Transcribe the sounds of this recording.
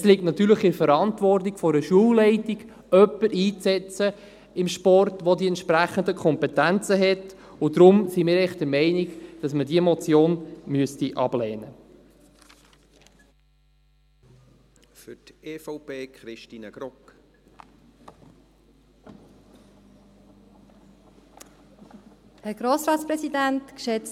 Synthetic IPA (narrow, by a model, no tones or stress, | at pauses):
ɛslik̚tnɑt̪yːɾləχɪɾfəɾɑntʋɔrtikfɔɾəʃuəwlɛɪtiɡ | œpːəɾiːt͡sɛt͡sə | ɪmʃpɔrtʋodiɛntʃpɾæχəndəkʰχɔmpɛtænt͡səɦɛt | ʊdɾʊmsimiːɾɛχt̚d̥əɾmɛɪniɡd̥ɑsmədiemɔt͡sjoːnmyəstiʔɑ̰b̥lɛːnə | fʏteːfɔʊpeːkχɾɪʃtiːnəɡ̥ɾɔk | hɛɾɡ̥ɾoːsɾɑːtspɾɛsidæntkʃɛt͡s